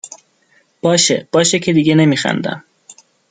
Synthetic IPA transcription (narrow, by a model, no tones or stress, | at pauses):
b̥ɒːʃḛb̥ɒːʃecʰe̞d̪iɡene̞miːxæ̰nd̪æ̰m